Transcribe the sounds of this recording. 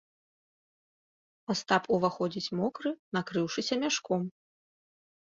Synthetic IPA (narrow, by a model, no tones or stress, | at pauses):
ast̪apuvaxɔd͡zʲit͡sʲmɔkɾɨnakɾɨwʂɨsʲɐmʲaʂkɔm